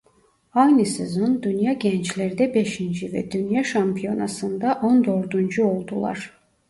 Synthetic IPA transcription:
ajnisizund̪ynjɑɟɛnt͡ʃlʲæɾd̪ɛbeʃind͡ʒivɛ̰d̪ynjaʃampʰijo̞nasɯnd̪aʔo̞nd̪o̞ɾd̪und͡ʒuo̞lˠd̪ulˠa̰ɾ̥

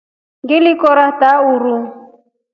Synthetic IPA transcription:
ɡɪlɪkɔɾataʊɾu

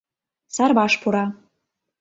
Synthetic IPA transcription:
sɑrbɑʃpʰuɾɑ

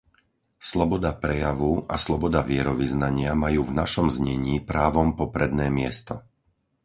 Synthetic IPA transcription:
slɔbɔd̪apɾɛjaʋuʔa̰slɔbɔd̪aʋɪɛɾɔʋiznaɲɪamajuːvnaʃɔmzɲɛɲiːpɾaːʋɔmpɔpɾɛd̪nɛːmɪɛst̪ɔ

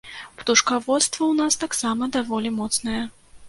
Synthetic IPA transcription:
pt̪uʂkavɔt̪st̪vɐwnast̪aksamɐd̪avɔlʲimɔt̪snɐjɛ

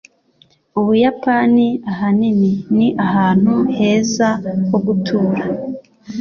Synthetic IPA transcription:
uβujapaniaɦanininiʔaɦaːn̥huhe̞ːzahoɡutʰuːɾa

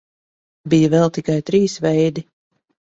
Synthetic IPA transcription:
bijəvɛlˠt̪ikajt̪ɾiːsvɛjd̪i

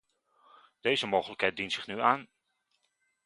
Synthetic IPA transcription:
d̥ejzəmowχələkɦɛjt̚dintsɪχnyaːn

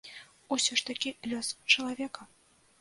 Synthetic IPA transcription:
usʲɔʂt̪akʲilʲɔst͡ʂɐlˠavʲɛkɐ

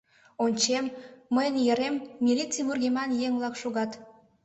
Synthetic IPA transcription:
onʲt͡ɕemːəjənjəɾemːʲilʲit͡siβurɡʲemɑnjeŋβlɑkʃuɣɑt̪

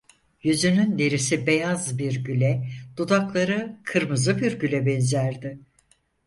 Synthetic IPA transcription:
jyzynynd̪eɾisibejazbiɾɟylʲɛd̪̥ud̪aklˠaɾɯkʰɯɾmɯzɯbiɾɟylʲɛbɛnzæɾd̪ɪ

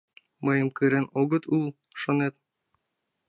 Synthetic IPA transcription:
mɤ̆jɤmkɵ̆ɾænoɡɤ̆t̪ulˠ | ʃonet̪̚

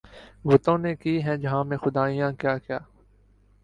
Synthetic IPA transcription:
ʋʊt̪õːnekiːɦɛ̃d͡ʒɐɦãːmẽːxʊd̪aːijãːkjaːkjaː

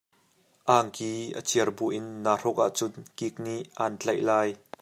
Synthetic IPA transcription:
ʔaːŋkiːʔə̰t͡sʰiərbuʔɪnːaːr̥ɔk̚ʔa̰ʔt͡sʊnkik̚niʔant͡ɬɐjʔlaːj

